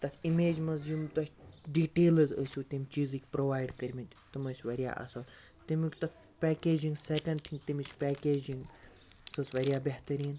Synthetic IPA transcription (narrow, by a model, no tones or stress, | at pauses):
t̪ɐt̪ʰimeːd͡ʒmɐzjumt̪ɐt͡ʃʲɖiːʈeːlɨzəsʲuːt̪imʲt͡ʃiːzɨkʲpɾoːʋaːjɖkɐɾʲmit̪ʲ | t̪ɨməsʲʋɐɾija̰ʔɐ̰sɐl | t̪imʲikʲt̪ɐt̪̚ʰ | pʲɛːkʲeːd͡ʒiŋɡsekɐɳɖʈʰiŋt̪imit͡ʃʰʲpʲɛːkeːd͡ʒiŋɡ | sɨsʋɐɾʲjaːbʲeɦt̪ɐɾʲiːn